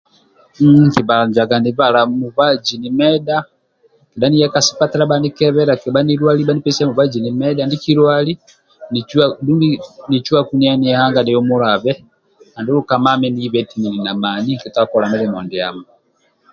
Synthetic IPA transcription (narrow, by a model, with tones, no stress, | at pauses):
ki˨βa˨a˨n˨d͡ʒa˨ɡa˨ni˨βa˨la˨mu˨βa˦d͡ʒi˨ni˨mɛda˦ | ki˨da˦ni˦ja˦kasi̥˦pa˦tɛ˦ɾa˦bani˦kɛ˦βɛ˦ɾa˨ki˨ba˦niɾwa˦li˦ba˦ni˦pɛ˦si˦a˦mu˨βa˦d͡ʒi˨ni˨mɛ˦da˦ndi˦ki˦ɾwa˦li˦ | ni˨adu˦mi˦ni˨t͡ʃu˦a˦ku˦nia˦ni˨ɛ˦ha˦ŋɡa˨dɛ˨jɔ˦mu˦ɾa˨βɛ˦ | a˨ndu˦ɾuka˨ma˦mɛ˦ni˦βɛ˨ti˦ni˨ni˨na˨ma˨ni˦ki˨ta˦kɔ˨ɾa˨mɛ˦lɛ˨mɔ˨ndi˨a̰˨ma